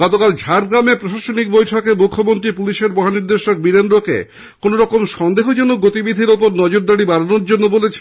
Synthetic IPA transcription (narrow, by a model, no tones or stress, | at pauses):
ɡɔt̪okald͡ʑʱaɾɡɾamepɾoʃaʃonik̚bojʈʰɔkemukʰːomont̪ɾipuliʃeɾbɔɦaniɾd̪eʃok̚biɾendɾokḛ | konoɾɔkomʃɔnd̪eɦod͡ʑɔnoɡot̪ibid̪ʱiɾopoɾnɔd͡ʑoɾd̪aɽibaɾanoɾd͡ʑonːobolet͡ɕʰ